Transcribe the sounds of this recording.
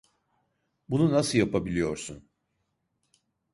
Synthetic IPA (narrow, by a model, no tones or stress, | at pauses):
bununasɯjapabilʲijo̞ɾsun